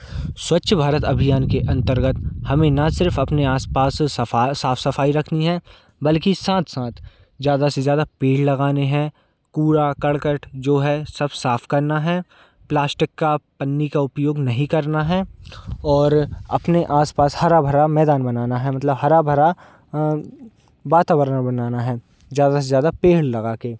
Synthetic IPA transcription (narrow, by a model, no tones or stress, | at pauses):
swɐtːʃbʱaːɾət̪ɐbʱijaːnkeʔɐ̃nt̪əɾɡət̪hɐmẽnɐsɪɾfɐpneaːspaːsaaːfʰsɐfaːiɾɐkʰniɦɛ | bɐlkisãːt̪ʰsãːt̪ʰ | zjaːd̪asezjaːd̪apeːɖlɐɡaːneɦɛ̃ | kuːɾakɐɽkəʈd͡ʒoːɦɛsɐbsaːfʰkɐɾnaɦɛ | plaːsʈɪkːapɐnːikaʊpjoːɡnɐɦĩkɐɾnaɦɛ | ɔːɾɐ̰pneʔaːspaːshɐɾabʱɐɾamɛːd̪aːnbɐnaːnaɦɛmɐt̪ləbɦɐɾabʱɐɾa | ʋaːt̪aːbəɾnãbɐnaːnaɦɛː | zjaːd̪asezjaːd̪apeːɭlɐɡaːkeː